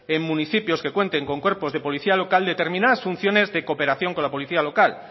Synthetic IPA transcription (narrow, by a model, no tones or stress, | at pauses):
e̞ŋmũniθipjo̞ske̞kwe̞nt̪e̞ŋko̞ŋkwe̞ɾpo̞zðe̞po̞liθialokald̪e̞t̪eɾmĩnaðasfun̟θjo̞ne̞zðe̞ko̞pe̞ɾaθjo̞ŋko̞nlapo̞liθialo̞kal